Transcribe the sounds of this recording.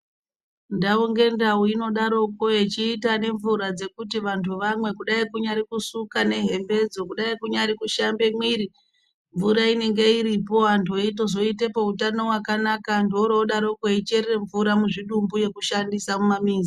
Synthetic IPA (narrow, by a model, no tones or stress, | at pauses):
ndauŋɡe̞ndauino̞ɗaɾo̞ko̞et͡ʃiːtane̞ɱvuɾad͡ze̞kut̬iʋantʰuʋamwe̞kuɗaikuɲaɾikusukane̞ɦe̞mbe̞d͡zo̞kuɗaikuɲaɾikuʃambe̞mwiɾi | ɱvuɾaine̞ŋɡe̞iɾipo̞antʰuit̬o̞zo̞ite̞poutano̞wakanakandoɾooɗaɾo̞koit͡ʃerere̞ɱvuɾamuʐiɗumbuje̞kuʃandisamumamiːnza